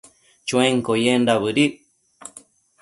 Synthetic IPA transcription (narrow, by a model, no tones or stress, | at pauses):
t͡ʃũẽŋkojendaβɨɾiʔ